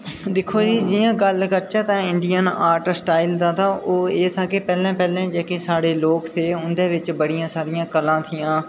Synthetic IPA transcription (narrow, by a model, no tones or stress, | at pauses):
d̪ɪkʰːoːd͡ʒiːd͡ʒɪjãːɡəlkəɾt͡ʃaːt̪ãːɪɳɖijənaːɾʈsʈaːɪld̪ãːt̪ʰaːʔoːeːt̪ʰaːkeːpɛːlɛ̃ːpɛːlɛ̃ːd͡ʒeːkeːsaːɽeːloːkt̪ʰeːʊnd̪eːʋɪt͡ʃbəɽɪjãːsaːɾɪjãːkəlãːt̪ʰɪjãː